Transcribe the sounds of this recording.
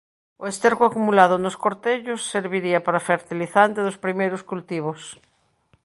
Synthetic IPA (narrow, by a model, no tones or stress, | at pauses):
oest̪eɾɣoakumulaðonoskoɾt̪eʎosːeɾβiɾiapaɾafeɾt̪iliθant̪eðospɾimejɾoskult̪iβ̞os